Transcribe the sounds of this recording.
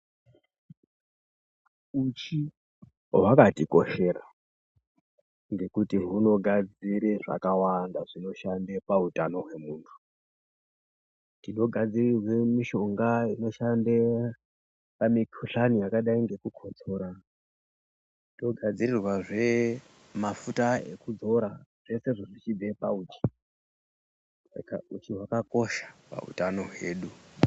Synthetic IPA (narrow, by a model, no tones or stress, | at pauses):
ut͡ʃi | wakatiko̞̰ʃeːra̰ | ŋɡe̞kutiɦuno̞ɡʱad͡ziɾeʐa̰kawandaʐino̞ʃandepautano̞ɦwe̞muːntʰu̥ | tino̞ɡʱad͡zirirwemiʃo̞ŋɡaino̞ʃande | pamikʰuɬanijakaɗaiŋɡe̞kukʰo̞t͡so̞ɾa | tiɗo̞ɡʱad͡zirirwaʐe̞ | mafutaḛkud͡zo̞ɾaʐ̥e̞se̞ʐoʐit͡ʃibepa̰ut͡ʃi̥ | sa̰ka̰ut͡ʃiwakako̞ʃḁpa̰ṵtano̞ɦwe̞ːɗu